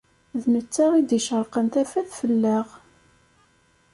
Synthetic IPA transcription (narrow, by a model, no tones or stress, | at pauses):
ðmət͡sːaʁid̪iʃəɾˤqənt̪æfæθfəlːæʁ